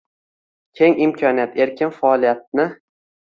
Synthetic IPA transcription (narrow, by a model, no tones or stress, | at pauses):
kʲʰe̞ŋɪmkʰɒnijat̪e̞ɾkʲɪnfaɒlˠijat̪̚nɪ